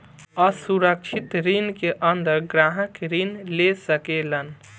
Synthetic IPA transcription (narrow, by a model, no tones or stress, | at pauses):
əsuɾək̚t͡ʃʰit̪ɾinkeʔənd̪əɾɡɾaɦəkɾinlesəkelən